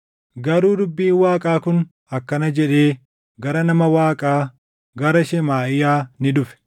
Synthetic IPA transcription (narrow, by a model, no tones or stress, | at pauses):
ɡɐɾuːd̪ʊbːiːnwaːkʼaːkʊn | ɐkːɐnɐd͡ʒɛᶑe̞ː | ɡɐɾɐnɐmɐwaːkʼaː | ɡɐɾɐʃɛmaːʔɪjaːnɪd̪ʊfɛ̥